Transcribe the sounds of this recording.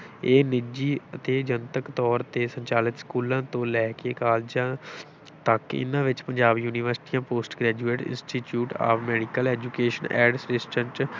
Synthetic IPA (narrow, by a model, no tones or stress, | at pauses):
eːnɪd͡ʒiːət̪eːd͡ʒənt̪əkt̪ɔːɾt̪eːsəɲt͡ʃaːlɪt̪skuːlãːt̪õːlɛːkeːkaːld͡ʒãː | t̪əkɪ̰nãːʋɪt͡ʃpəɲd͡ʒaːbjuːniʋəɾsʈiːãːpoːsʈɡɾɛːd͡ʒuːeːʈɪ̰̃nsʈiːʈjuːʈa̰ːfʰmɛːɖikəlɛːd͡ʒuːkeːʃənɛ̰ːɖsɾɪsʈənt͡ʃ